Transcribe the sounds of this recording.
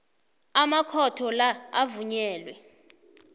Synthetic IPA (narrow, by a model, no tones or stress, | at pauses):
amakʰɔtʰɔlaavuɲɛːlwɛ